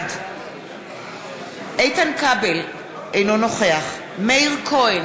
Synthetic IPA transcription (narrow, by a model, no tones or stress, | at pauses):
d | ʔejtankabel | ʔejno̞noχeaχ | mejʁkʰoen